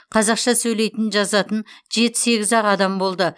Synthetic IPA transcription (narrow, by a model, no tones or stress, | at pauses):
qʰɑzɑqʃɑsɵjle̞jt̪ɪnʒɑzɑt̪ənʒe̞t̪ɪ̥se̞ɡʲɪzɑʁɑd̪ɑmbo̞lˠd̪ə